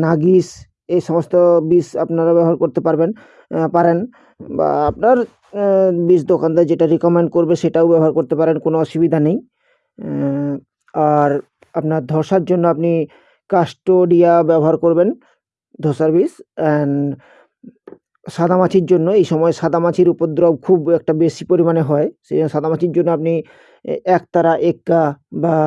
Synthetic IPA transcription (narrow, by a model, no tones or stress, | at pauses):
naɡis | ejʃɔmost̪obisapnaɾabɛbɔɦaɾkoɾt̪epaɾben | paɾen | ba̰apnaɾ | bisd̪okand̪ad͡ʑeʈaɾikomeɳɖkoɾbeʃeʈaobɛbɔɦaɾkoɾt̪epaɾenkonoɔʃubid̪ʱanej | aɾ | apnaɾd̪ʱɔɾʃaɾd͡ʑonːoapni | kaʃʈoɖiabɛboɦaɾkoɾben | d̪ʱosaɾbisɛn | ʃad̪ʱamat͡ɕʰiɾd͡ʑonːoejʃɔmɔeʃad̪ʱamat͡ɕʰiɾupod̪ɾɔb̚kʰubɛk̚ʈabeʃipoɾimaneɦɔeʃeʃad̪ʱamat͡ɕʰiɾd͡ʑonːoap̚ni | ɛk̚t̪aɾaʔekːaba